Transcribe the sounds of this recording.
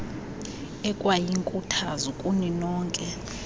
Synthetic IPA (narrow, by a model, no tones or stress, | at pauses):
ɛkʼwajiŋkʼutʰazukʼuninɔːŋkʼɛ